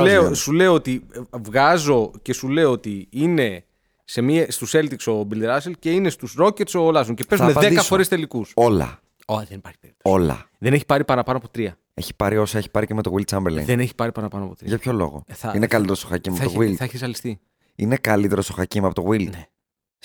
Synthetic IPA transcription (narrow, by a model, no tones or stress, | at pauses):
leosule̞oot̪ivɣɐzo̞ce̞sule̞oot̪iine̞ | se̞miest̪use̞lt̪ikso̞bild̪ɾɐselce̞ine̞st̪usɾo̞cet̪so̞lɐs̬oŋce̞pe̞zmeðeikɐsfo̞ɾest̪e̞likuso̞lɐ̰ | oðenipɐɾçi̥peɾio̞lɐ̰ | ðe̞neçi̥pɐɾipɐnɐpɐnoɐpo̞t̪ɾiɐ | e̞̰çi̥pɐɾio̞sɐeçi̥pɐɾiceme̞t̪oɣwild̪t͡sɐmbeɾlḛðene̞çi̥pɐɾipɐnɐpɐnoɐpot̪ɾḭʝɐpço̞lo̞̰ɣo̰θɐinekɐlit̪eɾost̪oxɐcimɐoɐotoɣwilθɐeçisɐlist̪i | inekɐlit̪eɾo̞st̪o̞xɐcimɐpot̪oɣwilne